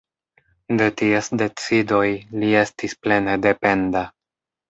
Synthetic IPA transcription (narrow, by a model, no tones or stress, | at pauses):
detiesde̞t͡sido̞jlie̞stisple̞nede̞pe̞nda